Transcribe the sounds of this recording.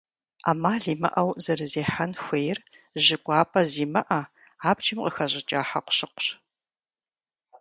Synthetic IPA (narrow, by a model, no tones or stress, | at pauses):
a̰ːmaːɮiːmɐ̰ʔɐwzɐɾɨzeːħanxʷeːjr | ʑɪkʷʼɑːpʰʼɐziːmɐʔɐ | aːpt͡ʃʰʼɪmqʼəxɐʑɪt͡ʃʼaːħɐqʷɕɪqʷʊ̥ɕ